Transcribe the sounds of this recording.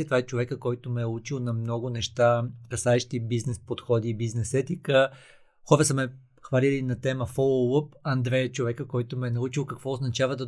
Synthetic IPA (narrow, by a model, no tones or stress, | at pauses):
ɛt̪vaɛt͡ʃovɛkəkɔjt̪omɛɛut͡ʃilˠnɐmnɔɡʊnɛʃt̪akɐsaɛʃt̪ibiznɛspot̪xɔd̪iːbiznɛsɛt̪ikə | xɔɾəsəmɛ | xvɐlilinɐt̪ɛməfolˠowəpɐnd̪ɾɛjət͡ʃovɛkəkɔjt̪omɛɛnɐut͡ʃilˠkɐkvɔoznɐt͡ʃavəd̪ɐ